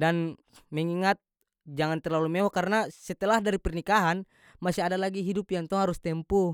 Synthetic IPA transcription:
dan | mɛŋiŋat̪̚ | d͡ʒaŋant̪ɛrlalumɛwɔkaɾnasɛt̪ɛlahdaɾipɛrnikaɦan | masiadalaɡiɦidupjaŋt̪ɔŋɦaɾust̪ɛmpu

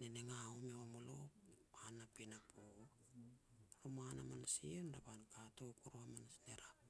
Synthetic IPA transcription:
neneŋaomewamoloanapinapo | ɾumanamanasiondapankatokuɾoamanasneɾa

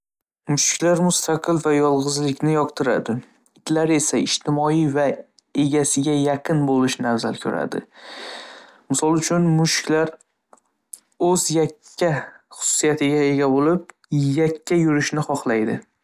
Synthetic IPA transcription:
mʊʃkʲlaɾmʊst̪ʰaqʰɨlˠvajɒlˠʁɨzlɪkʲnɪjɒqt̪ʰɪɾa̰d̪ɪ | ɪt̪ʰlaɾe̞saɪʃt̪ʰɪmɒiva | e̞ɡʲasɪɡʲajaqʰɨnbolɪʃnavzalkʲʰɵɾa̰d̪ɪ̰ | mɪsɒlˠʊt͡ʃʰʊnmʊʃkʲlaɾ | ɵzjakʲʰːa | χʊ̥sʊ̥sijat̪ʰɪɡʲae̞ɡʲabolɪp̚ | jakʲʰːajʊɾɪʃnɪχɒχlˠajd̪ɪ̰

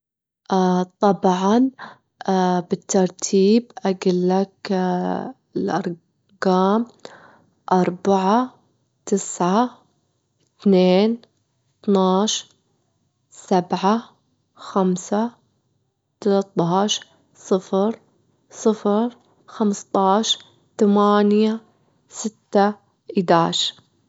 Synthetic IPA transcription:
ʔat̪ˤɑbʕɑn | bɪt̪ːɑɾˤt̪ʰiːbʔaɡɪlːak | ɪlʔɑ̰ɾˤ | ɡaːm | ʔɑɾˤbaʕa | t̪ɪsʕa | t̪neːn | t̪naːʃ | sabʕa | xamsa | t̪alɑt̪ˤːɑːʃɾ | sˤɨfɾ | sˤɨfɾ | xamst̪ˤɑːʃ | t̪amaːnja | sɪt̪ːa | ʔɪd̪aːʃɾ

